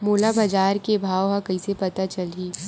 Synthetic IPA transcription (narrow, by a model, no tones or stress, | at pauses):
moːlabɐd͡ʒaːɾkebʱaːwɦãkɐisepɐt̪at͡ʃɐlɦiː